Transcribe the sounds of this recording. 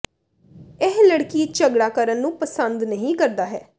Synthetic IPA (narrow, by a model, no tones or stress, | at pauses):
ɪɦləɽkiːt͡ʃəɡɽaːkəɾənːũːpəsənd̪nəɦĩːkəɾd̪aːɦɛ̰ː